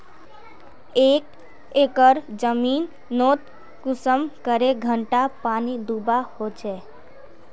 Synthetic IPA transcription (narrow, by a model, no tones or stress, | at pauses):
eːk | eːkəɾd͡ʒəmiːn | noːt̪ | kʊsəmkəɾeɡʱəɳʈapaːnid̪ubahot͡ʃɛː